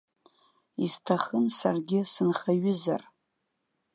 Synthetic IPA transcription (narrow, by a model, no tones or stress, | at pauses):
iztʰaχənsarɡʲɪsɨnχaɥʊza̰r